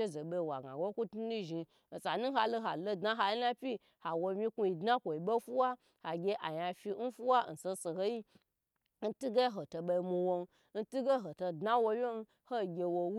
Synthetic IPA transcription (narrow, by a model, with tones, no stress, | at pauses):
e˦zo˨ɓe˧˨wa̰˨ɡa̰˨ɡo˦ku˦tu˦ni˦ʒi˧ | n̩˨sa˨nu˦ɦa˨lo˦ɦa˨lo˦˨dna˦ɦa˧ji˦na˦pʲi˦ | ha˨wo˧mʲi˦ku˧i˧dna˦kʷo˨i˨ɓo˦fu˦wa˦ | ha˨ɡʲe˧ʔa˨ja˧fi˧n̩˦fu˦wa˦˨n̩˨so˧so˨ho˦ji˦ | n̩˦tu˦ɡe˦ɦo˨to˧ɓo˧i˧mu˧wo˧n˧˦ | n̩˦tu˦ɡe˦ɦo˨to˧dna˦wo˧mʲ˦o˦n˦ | ho˦˨ɡʲe˧wo˧w